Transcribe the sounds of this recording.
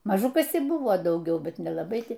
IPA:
mɐˈʒʊ ˈkɐs ɪr ˈbʊʋoː dɐʊˈɡʲɛʊ ˈbʲɛt nʲɛlˠɐˈbɐɪ ˈtɐɪ

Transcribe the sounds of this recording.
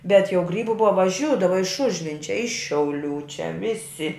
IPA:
bʲɛt jɛʊ ˈɡrʲiːbʊ ˈbʊʋɐ ʋɐˈʒʲuːdɐʋɐ ɪʃ ˈʊʒʲʋʲɪnʲt͡ʃʲɛ ˈɪʃ ʃʲɛʊˈlʲuː t͡ʃʲɛ ˈʋʲɪsʲɪ

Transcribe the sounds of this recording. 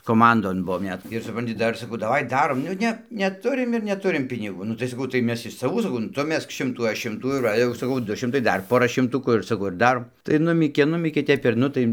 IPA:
koːˈmɐndoːn ˈbʊʋoːm ˈnʲɛt ɪr sʊˈprɐnʲtʲɪ ˈdɐr sɐˈkɐʊ dɐˈʋɐɪ ˈdɑːroːm ˈnʊ nʲɛ nʲɛˈtʊrʲɪm ɪr nʲɛˈtʊrʲɪm pʲɪnʲɪˈɡuː ˈnʊ tɐɪ sɐˈkɐʊ tɐɪ ˈmʲɛs ɪʃ sɐˈʋuː sɐˈkɐʊ nʊ ˈtʊ ˈmʲɛsk ˈʃʲɪmtuː ˈɐʃ ˈʃʲɪmtuː ɪr ˈʋɐ jɛʊ sɐˈkɐʊ ˈdʊ ˈʃʲɪmtɐɪ ˈdɐr ˈpoːrɐ ʃʲɪmˈtʊkuː ɪr sɐˈkɐʊ ɪr ˈdɑːroːm tɐɪ ˈnʊmʲiːkʲeː ˈnʊmʲiːkʲeː ˈtʲɛp ɪr ˈnʊ tɐɪ

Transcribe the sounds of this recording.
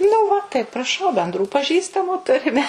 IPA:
nʊ ˈʋɐ tɐɪ prɐˈʃɐʊ bʲɛnˈdruː pɐˈʒʲiːstɐmuː ˈtʊrʲɪmʲɛ

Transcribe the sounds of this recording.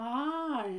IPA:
ɐ

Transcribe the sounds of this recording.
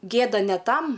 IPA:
ˈɡʲeːdɐ nʲɛ ˈtɐm

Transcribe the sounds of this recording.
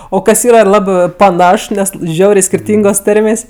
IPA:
oː ˈkɐs ˈiːrɐ ˈlˠɑːbɜ pɐˈnɐʃ ˈnʲɛs ˈʒʲɛʊrʲeː sʲkʲɪrʲˈtʲiːŋɡoːs ˈtɐrʲmʲeːsʲ

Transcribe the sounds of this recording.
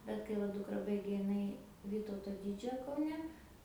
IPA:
bʲɛt kɐɪ ˈʋɐ ˈdʊkrɐ ˈbɐɪɡʲeː ɪˈnɐɪ ˈʋʲiːtɐʊtoː ˈdʲiːd͡ʒʲoːjoː kɐʊˈnʲɛ

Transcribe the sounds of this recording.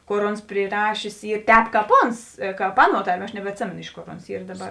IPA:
ˈkoːr ˈoːns pʲrʲɪˈrɑːʃʲeːs ˈiː ˈtʲɛːp ˈkɑːp ˈoːns ˈkɑːp ˈɑːˌnuɔ ˈtɐrʲˌmʲiɛ ɐʃ nʲɛbʲɛtʲˈsʲeːmʲeːnoː ˈɪʃ ˌkoːr ˈoːns ˈiːr dɐˈbɐr

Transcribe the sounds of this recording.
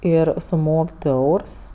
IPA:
ˈɪr sʊˈmoːkʲ ˈdʊ ˈɛʊrs

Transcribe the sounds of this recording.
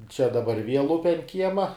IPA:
t͡ʃʲɛ dɐˈbɐr ʋʲiɛlˠ ˈʊpʲɛ ɐnt ˈkʲiɛmɐ

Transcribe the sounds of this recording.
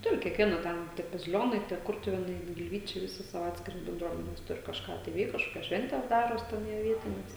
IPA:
ˈtʊrʲɪ kʲiɛkˈʋʲiɛnɐ ˈtʲɛn tʲiɛ bɐzʲɪˈlʲoːnɐɪ tʲiɛ ˈkʊrtʊʋʲeːnɐɪ ɡʲɪlʲˈʋʲiːt͡ʃʲɛɪ ʋʲɪˈsʲɪ ˈsɑːʋoː ˈɑːtʲsʲkʲɪrɐs bʲɛnˈdruɔmʲɛnʲɛs ˈtʊrʲɪ kɐʃˈkɑː tɐɪ ˈʋʲɛɪk kɐʃˈkoːkʲɛs ˈʃʲʋʲɛnʲtʲɛs ˈdɑːroːs ˈtʲɛn jiɛ ˈʋʲiɛtʲɪnʲɛs

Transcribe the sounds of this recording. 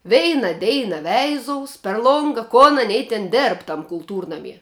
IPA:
ˈʋʲɛɪnɐ ˈdʲɛɪnɐ ˈʋʲɛɪzoːʊs pʲɛr ˈlˠoːŋɡɐ koːn ɐˈnʲɛɪ tʲɛn ˈdʲeːrp ˈtɐm kʊlˠˈtuːrnɐmʲiɛ

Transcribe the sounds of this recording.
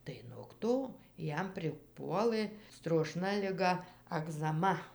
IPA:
tɐɪ noːk ˈtoː ˈjɛm pʲrʲɪˈpuɔlˠɘ stroːˈʃnɐ lʲɪˈɡɐ ɐɡzɐˈmɐ

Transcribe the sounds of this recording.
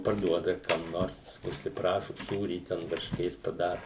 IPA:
pɐrˈduɔdɐ kɐm ˈnoːrs ʊʃʲsʲɪˈprɑːʃʊ ˈsuːrʲiː ˈtʲɛn ʋɐrʲʃʲˈkʲeːs pɐˈdɑːrʊ

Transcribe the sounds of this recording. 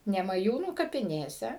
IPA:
nʲɛmɐˈjuːnuː kɐpʲɪˈnʲeːsʲɛ

